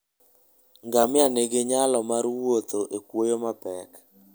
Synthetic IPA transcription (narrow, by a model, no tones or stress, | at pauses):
ŋɡamɪaneɡeɲalɔmaɾwot̪oʔekwojomapɛk